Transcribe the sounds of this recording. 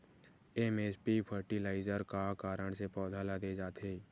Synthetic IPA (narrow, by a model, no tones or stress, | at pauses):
emeːspipʰəɾʈilaːɪzəɾkakaːɾəɽ̃sepɔːd̪ʱaːlad̪ed͡ʒaːt̪eː